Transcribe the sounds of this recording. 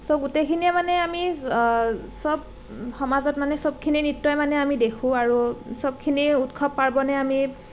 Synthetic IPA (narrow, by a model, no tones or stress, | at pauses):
soɡutekʰiniɛmanɛami | sɔb̚ | xɔmazɔt̚manɛsɔb̚kʰininitːɔjmanɛamidekʰũaɹusɔb̚kʰiniutkʰɔbpaɹbɔnɛami